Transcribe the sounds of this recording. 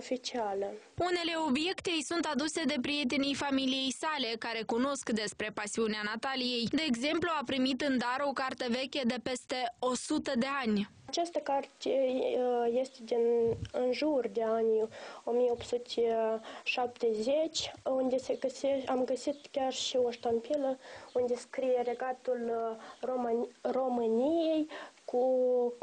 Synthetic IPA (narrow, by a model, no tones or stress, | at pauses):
ofit͡ʃialəune̞le̞o̞bje̞kt̪e̞jsunt̪ad̪use̞d̪e̞pɾije̞t̪̬enijfamilije̞jsale̞kaɾe̞kuno̞skd̪e̞spɾe̞pasiuneanat̪alije̞jd̪e̞ːɡze̞mpluapɾimit̪ɨnd̪aɾo̞kart̪əve̞kʲed̪e̞pe̞st̪e̞o̞sut̪əd̪e̞anʲ | at͡ʃast̪əkart̪e | je̞st̪ed̪inɨnʒurʲd̪e̞anʲomijeop̪sut̪ʲeʃap̚t̪ezet͡ʃʲund̪e̞se̞ɡəseamɡəsit̪kʲarʃioʃt̪onpiləund̪e̞skɾijere̞ɡat̪ulroro̞mɨnijejkʰu